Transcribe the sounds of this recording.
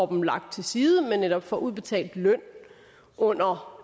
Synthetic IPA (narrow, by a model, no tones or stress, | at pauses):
ɒb̥m̩lɑ̈ɡ̥̚d̥̚t͡sʰe̝siːð̞ˠəmenːeɾ̥ɒ̽b̥fɒ̽ʔuðˠb̥e̝t͡sʰɛ̰ːld̥lœn̰ | ʔɔ̽n̰ɐ